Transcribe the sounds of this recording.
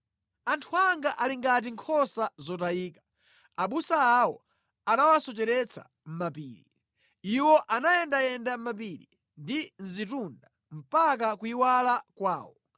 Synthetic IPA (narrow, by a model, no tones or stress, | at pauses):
antʰuaŋɡaʔaliŋɡat̬iŋkʰɔsazɔtajiːkḁ | aɓusaːwɔ | anawasɔt͡ʃɛɾɛt͡sʰa̰ | m̩mapiːɾḭ | iwɔʔanajɛndajɛndam̩map̬iɾi | ndin̩zitunda | m̩pak̬akuiwalakwaːwɔ